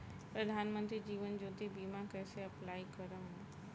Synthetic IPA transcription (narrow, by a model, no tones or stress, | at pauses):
pɾɐd̪ʱaːnmə̃nt̪ɾid͡ʑiːʋənd͡ʑoːt̪ibiːmãkəseɐplaːikəɾəm